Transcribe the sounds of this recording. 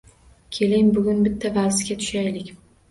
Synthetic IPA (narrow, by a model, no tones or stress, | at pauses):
kʲʰe̞lɪŋbʊɡʲʊnbɪt̪ʰːavalsɪɡʲat̪ʰʊ̥ʃajlɪkʲ